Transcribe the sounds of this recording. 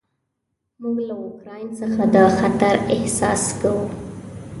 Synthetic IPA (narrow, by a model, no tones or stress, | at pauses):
muɡlaʊkɾɑjnsəxad̪ɑxat̪aɾɪhsɑ̰skawu